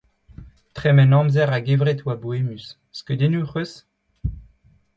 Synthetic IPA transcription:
t̪χɛmɛnɑ̃mzɛʁaɡevʁet̪waboemysː | kød̪enuχøs

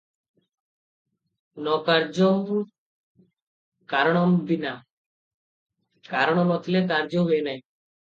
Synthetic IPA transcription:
nɔkaɾd͡ʒɔ | kaɾɔɽ̃ɔmbina | kaɾɔɽ̃ɔmɔt̪ʰlekaɾd͡ʒoɦenaj

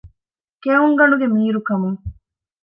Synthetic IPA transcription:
keuŋɡɐɳuɡemiːɾukɐmuŋ

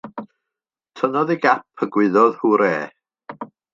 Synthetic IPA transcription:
tʰənɔðiɡap̚ʰəɡwɪðɔðhuːɾḛː

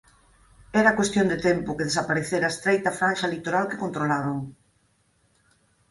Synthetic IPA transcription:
ɛɾakwest̪jond̪et̪ɛmpʊkeðesapaɾeθeɾaest̪ɾejt̪ɐfɾanʃɐlit̪oɾalkɪ̥kont̪ɾolaβoŋ

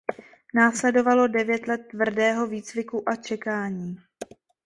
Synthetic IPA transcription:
naːslɛdo̞valo̞dɛvjɛt̪lɛt̪ːvr̩dɛːɦo̞viːt͡svɪkuʔat͡ʃɛkaːɲiː

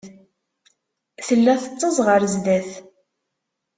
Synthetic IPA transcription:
θəlːæθət͡sˤːəzˤʁəɾzdæθ

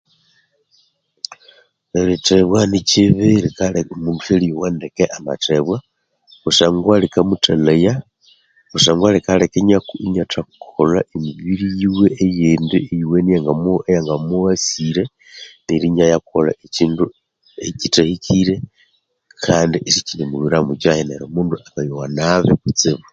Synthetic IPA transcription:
eliteβwaniciβelikamuuteliwandekeʔama̰teβwa | kusaŋɡwalikamutaleja | ɣusaːŋɡwalikalekeɲakuiɲatʰakkʰolaʔemiβiɾijiweːjendiejiwenijaŋɡamoejaŋɡamuasiɾe | niɾiɲajakuola̰eciːndu | ecitahikʰiɾe | kʰandiʔesit͡ʃinemuβiɾamut͡ʃaheneɾemuːnduakajowanaβekut͡siβu

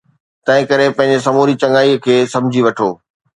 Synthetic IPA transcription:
t̪ɐ̃ɦɪ̃kɐɾepɐ̃ɦɪ̃ɲ̆d͡ʑesɐmoːɾit͡ɕɐ̃ŋɡaːikʰeːsɐ̃md͡ʑʱiʋɐʈʰo̰ː

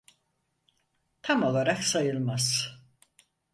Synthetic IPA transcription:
t̪ʰamaðaɾɛksajɪlmas

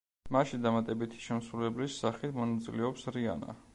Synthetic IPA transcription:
maʃid̪amat̪ʼɛbit̪ʰi̥ʃɛmsɾulɛblisːaχit̪ʰmɔnat̪sʼilɛɔpsɾia̰na̰

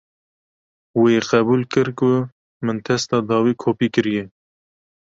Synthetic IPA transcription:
weqɛbuːlkɨɾkʊ | mɨnt̪ʰɛst̪ɑːd̪ɑːwiːkʰoːpiːkɨɾijɛ

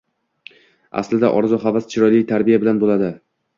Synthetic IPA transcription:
a̰slɪd̪a̰ʔɒɾzɒɦavast͡ʃʰɪɾɒjlɪjt̪ʰaɾbijabɪlanbolad̪ɪ

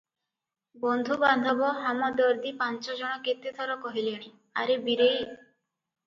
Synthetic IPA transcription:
bɔnd̪ʱuband̪ʱɔbɔɦamɔd̪ɔɾd̪ipant͡ʃɔd͡ʒɔɽ̃ɔket̪et̪ʰɔɾɔkɔɦileɽ̃i | a̰ɾebiɾej

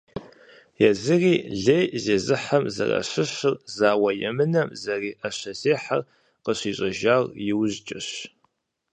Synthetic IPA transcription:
jɛzɨriːɮejzeːzɨħamzɐ̰rɐ̰ɕɪɕɨrzaːwɐjɛmɨnɐmzɐriːʔɐɕɐzeːħar | qəɕiːɕʼɐʒaːrjɪwzt͡ʃʼɐɕ

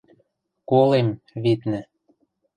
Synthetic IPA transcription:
kolem | βit̪nɘ̆

